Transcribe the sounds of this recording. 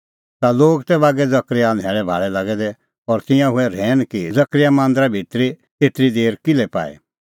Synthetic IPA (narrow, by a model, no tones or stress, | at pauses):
t̪aloːɡt̪ɛβaːɡɛd͡zɐkɾɪjad̪ʱɦɛːɭɛbʱa̰ːɭɛlaɡɛd̪ɛ | ɔɾt̪ɪ̃jãɦʊɛɾɛːnkid͡zɐkɾɪjamãːnd̪ɾabʱɪt̪ɾi | t̪eːt̪ɾid̪eːɾkɪlɛpa̰ːɛ̰